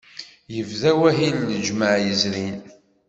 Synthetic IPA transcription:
jəvðæwæɦilːəd͡ʒməʕjəzɾin

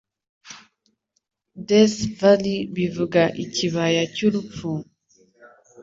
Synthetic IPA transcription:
dɛsvalibivuɡaʔitiβajat͡ʃulufuŋ

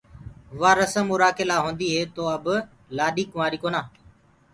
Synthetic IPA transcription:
ʋaːɾəsəmːʊɾaːkeːlaːɦõːnd̪iːɦeːt̪oːəb | laːɗiːkʊmaːɾiːkoːnaː

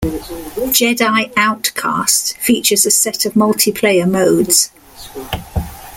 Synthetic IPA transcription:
d̥ʒ̥ɛdaɪaʊtkʰɑ̰ˑstfiˑt͡ʃəzəsɛtʰəvmʌlˠtʰɪpʰl̥eɪəməʊdz̥

